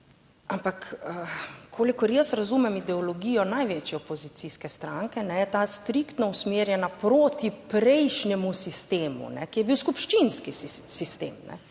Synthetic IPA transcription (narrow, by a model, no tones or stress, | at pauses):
ampakəkʰoːlikɔɾjəsɾazuːmɛmid̪ɛɔlɔɡijɔnajʋeːt͡ʃjɛɔpɔzit̪siskɛst̪ɾaŋkɛnɛjɛt̪aːst̪ɾikt̪nɔusmeːɾjɛnapɾoːt̪ipɾɛjʃnjɛmusist̪eːmṵnɛkijɛbiwskupʃt͡ʃinskisist̪ḛːmnɛ̰